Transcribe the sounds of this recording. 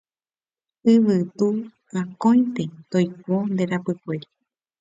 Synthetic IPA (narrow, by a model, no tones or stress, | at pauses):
ɨʋɨt̪u | ãkõjt̪et̪ojkond̪eɾapɨkʷeɾi